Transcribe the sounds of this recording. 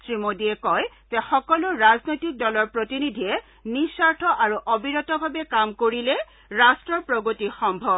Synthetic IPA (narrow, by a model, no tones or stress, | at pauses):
sɹimodiɛkɔj | zɛxɔkɔlʊɹaznojtik̚dɔlɔɹpɹotinidʱiɛ | nisaɹtʰɔʔaɹuʔobiɹɔtɔbʱabɛkamkoɹilɛ | ɹastɹɔɹpɹoɡotixɔmbʱɔb̚